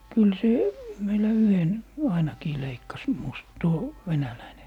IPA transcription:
kyl se meilæ yhen ɑinɑkiː leikːɑs mus tuo ʋenælæine

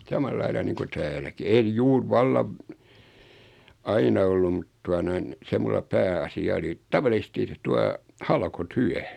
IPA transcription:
sɑmɑlːɑilɑ niːŋku tæːlæki en juːr ʋɑlːɑʋ ɑinɑ olːum mut tuɑ noin̞ se mulːɑ pæːɑsiɑ oli tɑʋɑlisĕsti tuɑ hɑlkotyæ

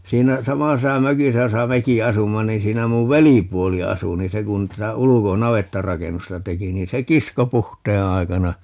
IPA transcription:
siːnæ sɑmɑsesɑ møkisæ josɑ meki ɑsumːɑ niːn̞ siːnæ muʋ ʋelipuoli ɑsu ni se kun tætæ uluko nɑʋetːɑrɑkenːustɑ teki niːn se kisko puhteː ɑi̯kɑnɑ

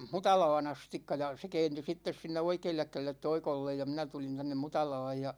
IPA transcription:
mutɑlɑːn ɑstikːɑ jɑ se kɛːnty sitːes sinːe oikeːlːek kælelːet toikolːej jɑ minæ tulin tænːem mutɑlɑːj jɑ

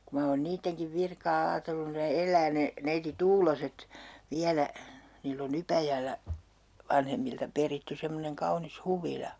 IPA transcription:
ku mɑ oːn niːtːeŋkiʋ ʋirkɑː ɑːtelːun ne elˑæː ne neiti tuːloset ʋiælæ niːlː oŋ ypæjælːæ ʋɑnhemːiltɑ peritːy semːoneŋ kɑunis huʋilɑ

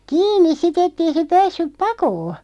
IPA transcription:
kiːnˑis sit etːei se pæːsːyp pɑkoː

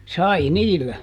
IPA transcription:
sɑi niːlːæ

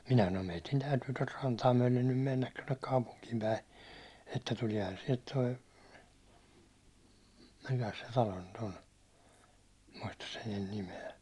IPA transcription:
minæ sɑnom meitin tæytyː tot rɑntɑː myæ̹len nym menːæt tonːek kɑupuŋkiːmpæi etːæ tuliɑ̝hɑn siɛlt toi mikæs se tɑlo nyt on muistɑs sen nyn nimeæ

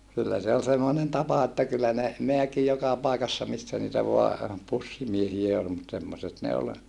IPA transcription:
kylːæ se ol semːonen tɑpɑ etːæ kylːæ ne meæki jokɑ pɑˑikɑsːɑ misːæ niːtæ ʋoɑ pusːimiehiæ ol mut semːoset ne ol

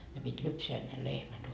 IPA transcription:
ne pitʲ lypseæ ne lehmæt

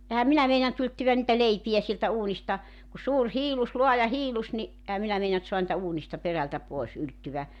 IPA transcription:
ehæm minæ meinɑnt yltyʋæn nĭtæ leipiæ sieltæ uːnistɑ ku suːr hiːlus luɑjɑ hiːlus ni ʔehæ minæ meinɑnt soɑn nĭtæ uːnistɑ peræltæ poes yltːyʋæ

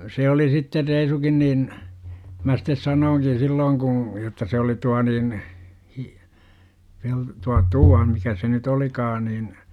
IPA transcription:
se oli sitːe reisukin niːn mæ sitːes sɑnoːŋkin̞ silːoːŋ ku jotːɑ se oli tuɑ niːn hi pel tuɑ tuɑ mikæ se nyt olikɑː nin

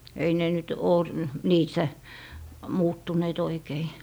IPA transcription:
ei ne nyt oː niːsːæ muːtːuneːt oikei

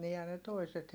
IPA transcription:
niːhæn ne toiset

